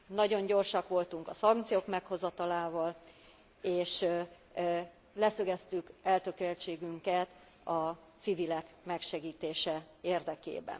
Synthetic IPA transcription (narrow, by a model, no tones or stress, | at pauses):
nɒɟo̞ɲɟo̞rʃɒkʋo̞lt̪uŋkɒsɒŋk̚t̪sijoːkmɛkho̞zɒt̪ɒlaːvɒl | eːʃ | lɛsøɡɛst̪ykɛlt̪økølt͡ʃeːɡyŋkɛt̪ | ɒt̪sivilɛk | mɛkʃɛɡiːt̪eːʃɛ | eːrd̪ɛkḛːbɛ̰n